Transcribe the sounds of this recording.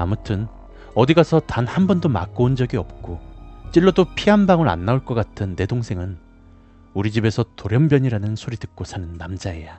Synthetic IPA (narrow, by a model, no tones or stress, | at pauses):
amutʰɯn | ʌdiɡasʰʌtanhambʌndoma̰kk͈ound͡ʑʌɡiʌp̚k͈ot͡ɕ͈iɭːodopʰianbaŋɯɾa̰nːauɭk͈ʌk͈atʰɯnːe̞doŋsʰe̞ŋɯn | uɾid͡ʑibe̞sʰʌtoɾjʌmbjʌɲiɾanɯnsʰoɾidɯk̚k͈osʰanɯnːamd͡ʑaeja